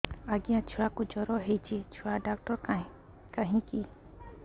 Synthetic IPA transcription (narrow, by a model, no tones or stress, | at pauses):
aɡijãt͡ʃʰuakud͡ʒɔɾɔɦejt͡ʃʰit͡ʃʰuaɖakʈɔɾ | kaɦĩki